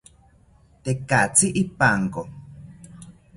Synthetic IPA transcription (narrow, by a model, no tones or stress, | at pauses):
t̪ekat͡siʔipaŋko